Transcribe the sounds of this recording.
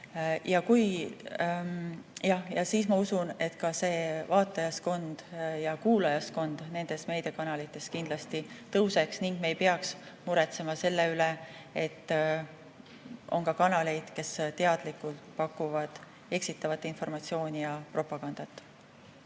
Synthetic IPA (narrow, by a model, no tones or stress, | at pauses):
jɑkuj | jɑhjɑsiːsmɑusune̞t̪kɑse̞ːvɑːt̪ˑːɑjɑsko̞nd̪̥jɑkuːlɑjɑsko̞nd̪̥ne̞nd̪̥e̞sme̞jd̪e̞kɑnɑlit̪ːˑe̞skind̪̥lɑst̪it̪ɤwse̞ksniŋɡ̥mejpeɑksmuɾe̞t̪se̞mɑse̞lːeylee̞t̪ːˑ | ʔo̞̰ŋkɑkɑnɑle̞jd̪̥ke̞st̪e̞ɑd̪̥likult̪pɑkːuvɑd̪̥ | e̞ksit̪ːˑɑvɑt̪ːinfo̞rmɑt̪sio̞ːnʲijɑpro̞pːˑɑɡ̥ɑnd̪̥ɑt̪ːˑ